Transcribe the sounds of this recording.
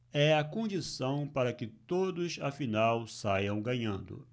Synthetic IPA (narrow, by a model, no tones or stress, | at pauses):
ɛɐkõd͡ʒisɐ̃w̃paɾɐkɪt̪od̪ʊsafinawsajɐ̃w̃ɡɐ̃ɲɐ̃nd̪ʊ̰